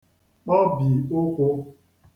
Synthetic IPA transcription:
k͡pɔ˦bi˨o˦kʷo˦

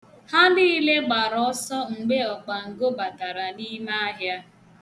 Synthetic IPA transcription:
ha˦ni˦i˦le˦ɡ͡ba˨ɾɔ˨˦sɔ˦ŋ̩˨ɡ͡be˦ɔ˨k͡pa˨ŋ̩˨ɡo˦ba˨ta˨ɾa˨ni˦ma˦a˦ɦja˦

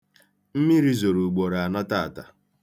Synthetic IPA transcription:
m̩˦mi˦ɾi˦zo˨ɾu˨ɡ͡bo˨ɾa˨a˨na˦ta˦˨ta˨

